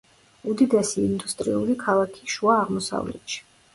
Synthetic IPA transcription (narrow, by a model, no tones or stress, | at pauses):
ud̪id̪ɛsiːnd̪ust̪ʼɾḭulikʰalˠakʰi̥ʃuaːʁmɔsa̰vlɛ̰t̪ʃi̥